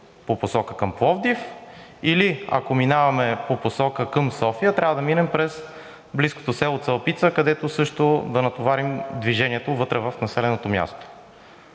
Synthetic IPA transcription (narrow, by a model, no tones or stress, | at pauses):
poposɔkəkəmpvɔvd̪ifilia̰kominavɐmɛpoposɔkəkəmsɔfijət̪ɾʲʔavəd̪ɐminɛmpɾɛs | blisko̥t̪osɛlˠot̪sɐlˠpit̪səkɐd̪ɛt̪osɤʃt̪od̪ɐnɐt̪ovaɾimd̪viʒɛniɛt̪ovɤt̪ɾɛvɐfnɐsɛlɛnot̪omja̰st̪o̥